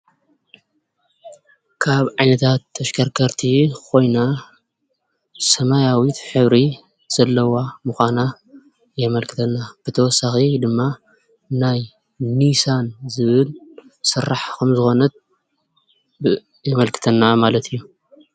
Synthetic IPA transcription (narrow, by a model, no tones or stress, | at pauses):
kʰaβʕajnɐt̪ʰat̪ʰːɐʃkʰɐɾkʰɐɾt̪ʰikʰo̞jna | sɐmajawit̪ħɨβɾi | z̥ɐlːɐwamɨxʷana | jɛmɐlkʰɨ̥t̪ʰɐnːab̥ɨt̪ʰɐwɔsːaxid̪ɨmːa | naj | nisanzɨβɨl | sɨrːaħkʰɐmzɨxo̞nɐt̪̚ | b | jɛmɐlkʰɨ̥t̪ʰɐnːamalɐt̪ʰijːu